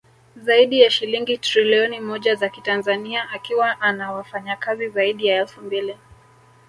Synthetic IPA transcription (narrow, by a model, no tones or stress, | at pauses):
zaiɗijaʃiliŋɡitɾiliɔnimɔʄazakitanzaniaʔakiwaʔanawafaɲakazizaiɗijaɛlfumbili